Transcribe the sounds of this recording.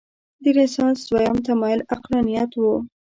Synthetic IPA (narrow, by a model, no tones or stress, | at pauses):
d̪əɡɪsɑnswajɑmt̪amɑjɪlaqlɑnijat̪wu